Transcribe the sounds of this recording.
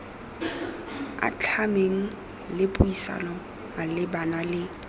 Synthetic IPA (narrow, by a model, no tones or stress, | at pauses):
a̰t͡ɬʰameŋ̩ | lɪpʼʊisa̰nɔ | alɪbanalɪ